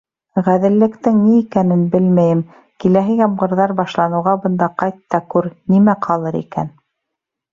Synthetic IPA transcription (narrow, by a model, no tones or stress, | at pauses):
ʁæðɘ̆lːɘ̆kt̪ɘŋniːkænɘnbɘlmæjɘm | kilæɦɘjɑmʁɤ̆ɾðɑɾbɑʃlˠɑnɤ̆wʁɑbɤ̆nd̪ɑqɑjt̪ːɑkʉɾnimæqʰɑlˠɤɾḭkæ̰n